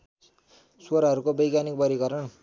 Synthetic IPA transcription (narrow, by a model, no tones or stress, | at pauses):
swoɾaɦʌɾukobʌjɡanik̚pʌɾikʌɾʌɳ